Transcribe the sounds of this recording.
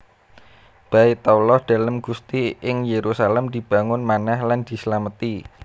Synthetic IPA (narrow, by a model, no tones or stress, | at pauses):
b̥ait̪aulɔhd̪̥a̤ləmɡ̥ust̪iɪŋjeɾusalɛmd̪̥i̤b̥a̤ŋʊnmanahland̪̥i̤slamət̪i